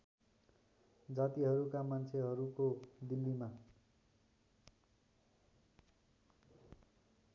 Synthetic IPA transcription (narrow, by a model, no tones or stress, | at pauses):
d͡zat̪iɦʌɾukamant͡sʰeɦʌɾukod̪ilːima